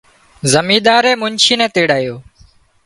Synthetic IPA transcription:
zəmiːɗ̪aːɾeːmʊɲt͡ʃʰiːnɛ̃ːt̪eːɽaːjoː

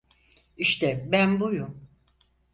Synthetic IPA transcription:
iʃt̪ʰɛbænbujum

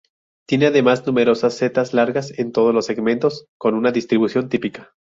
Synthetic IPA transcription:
t̪je̞ne̞aðe̞maznume̞ɾo̞sasːe̞t̪azlaɾɣase̞nt̪o̞ð̞ozlo̞sːe̞ɣmẽ̞nt̪o̞sko̞nunaðist̪ɾiβusjo̞nt̪ipikḁ

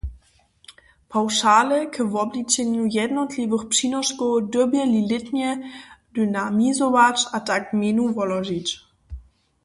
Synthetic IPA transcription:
pʰawʂaːləkʰəvɔblit͡ɕɛɲujɛdnɔtʰlʲivɘxpʂinɔʃkɔdɔbjɛlilɪtɲɛdynamizɔvat͡ɕataɡminuvɔlɔʒit͡ɕ

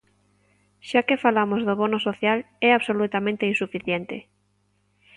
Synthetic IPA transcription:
ʃakefalamozðoβonosoθjal | ɛaβsolut̪amẽnt̪einsufiθjent̪ḛ

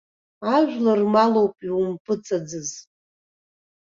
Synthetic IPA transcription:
aʒᶣlarmalo̞wpʼiwumpʼɨt͡sʼad͡zɨz

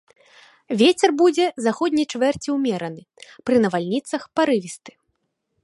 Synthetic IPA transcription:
vʲet͡sʲɛrbud͡zʲɛzaxɔd̪ʲnʲɐjt͡ʂvɛrt͡sʲiwmʲɛɾɐnɨ | pɾɨnɐvalʲnʲit̪sɐxpaɾɨvʲist̪ɨ̥

